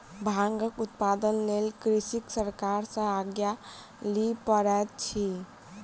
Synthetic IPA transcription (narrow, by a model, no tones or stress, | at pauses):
bʱãŋɡəkut̪pad̪ənlelkɾisiksəɾkaɾsə̃aɡja | lipəɾɛt̪̚t͡ʃʰi